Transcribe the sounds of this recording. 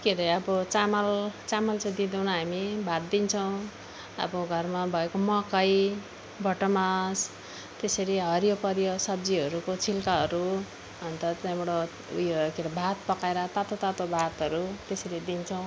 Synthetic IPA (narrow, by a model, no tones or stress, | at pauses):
keɾʌjʌbʌt͡samʌlt͡samʌlt͡sãj̃d̪id̪ʌwnaɦamibʱat̪̚d̪int͡sʰʌw̃ | ʌ̰boɡʱʌrmabʱʌekomʌkʌj | bʱʌʈʌmas | t̪esʌɾiɦʌɾjopʌɾjosʌb̚d͡ziɦʌɾukot͡sʰilkaɦʌɾu | ʌnt̪ʌt͡sãjbeɽo | ṵjokeɾʌbʱat̪̚pʌkaeɾʌt̪at̪ot̪at̪obʱat̪ɦʌɾut̪esʌɾid̪int͡sʰʌw̃